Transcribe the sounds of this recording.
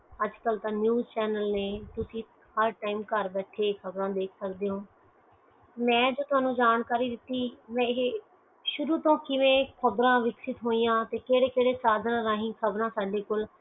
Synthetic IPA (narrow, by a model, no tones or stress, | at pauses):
əd͡ʒkəlt̪ãːnjuːzt͡ʃɛːnəlneːt̪ʊsĩː | həɾʈaːimkəɾbɛːʈʰeːkʰəbɾãːd̪eːkʰsəkd̪eːɦõː | mɛ̃ːd͡ʒoːt̪ʊaːnũːd͡ʒaːnkaːɾiːd̪ɪt̪ːiːmɛ̃ːɦ | ʃʊɾuːt̪õːkɪʋẽːkʰəbɾãːʋɪksɪt̪ɦoːiːjãːt̪eːkeːɽeːkeːɽeːsaːd̪ʱnãːɾãːɦĩːkʰəbɾãːsaːɖeːkol